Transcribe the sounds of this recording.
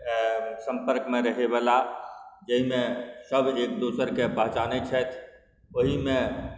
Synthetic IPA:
sə̃mpəɾkmeɾəɦeβəlad͡ʒəɦimesəbʱekd̪osəɾkepəɦt͡ʃanɛt͡ʃʰɛt̪ʰ | oɦimẽ

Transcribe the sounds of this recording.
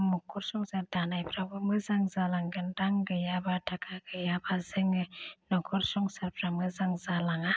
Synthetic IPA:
mukːuɾsuŋsaɾdanajpɾabɯməzaŋzalaŋɡəndaŋɡəjabadakaɡəjabazəŋənɔkuɾsuŋsaɾpɾaməzaŋzalaŋa

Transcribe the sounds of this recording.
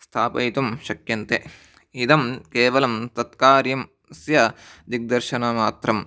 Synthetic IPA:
st̪ʰaːpɐjt̪umʃɐkjɐnt̪e | id̪ɐmkeːʋɐlɐmt̪ɐt̪kaːɾjɐm | sjɐd̪ik̚d̪ɐɾʃɐnaːmaːt̪ɾɐm

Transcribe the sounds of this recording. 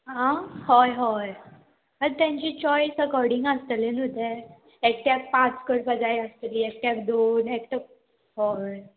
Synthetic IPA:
ɦãhojɦɔj | əɾt̪jaɲt͡ɕit͡ɕɔjsəkɔɾɖiŋɡəst̪əlenud̪ʱeɾ | ek̚ʈjak̚pãt͡skəɽpəd͡zajəst̪əliːek̚ʈjakd̪onekʈək̚ | ɦo

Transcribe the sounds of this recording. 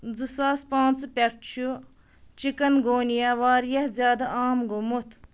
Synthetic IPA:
d͡zɨsaːspãːnt͡spʲɐʈt͡ʃʰu | t͡ʃikɐnɡoːnijaʋaːɾjɐhzjaːd̪ɐaːmɡomut̪ʰ

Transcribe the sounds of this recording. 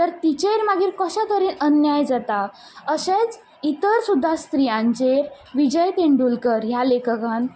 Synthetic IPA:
t̪əɾt̪it͡ɕeɾmaɡiːɾkəɕãk̪əɾiːnənjajd͡zat̪a | əɕet͡s | it̪əɾsud̪ʱːast̪ɾijãɲt͡ɕeɾ | ʋid͡ʑəjt̪eɳɖulkəɾjalekəkãn

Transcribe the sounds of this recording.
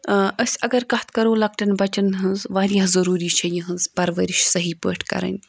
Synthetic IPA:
əsʲɐɡɐɾkɐht̪kɐɾoːlɐk̚ʈɐnbɐt͡ʃɐnɦɨnzʋaːɾjãɦzɐɾuːɾiːt͡ʃʰɐjiɦɨnzpɐɾʋɐɾiʃsɐɦipə̰ːʈʰkɐ̰ɾɐ̰nʲ

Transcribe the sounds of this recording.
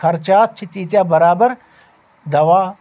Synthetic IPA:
ɐɾt͡ʃaːt̪̚t͡ʃʰit̪iːt̪jaːbɐɾaːbəɾ | d̪ɐʋaː

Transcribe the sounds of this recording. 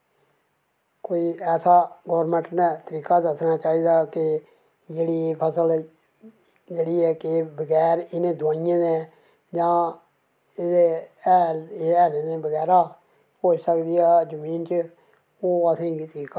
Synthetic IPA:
koːiːɛːsaːɡɔːɾmɛ̃ɳʈnɛːt̪əɾiːkaːd̪əsnaːt͡ʃaːiːd̪aːkɪ | d͡ʒeːɽiːpʰəsəl | d͡ʒeːɽiːɛːkɪbəɡɛːɾɪnẽːd̪ʊwãːɪjẽːnẽː | d͡ʒãː | ɪd̪eːɛːɛːɾenẽːbəɡɛːɾaː | oːsəkd̪iːaːd͡ʒəmiːnt͡ʃ | oːəsĩːɡiːt̪əɾiːkaː

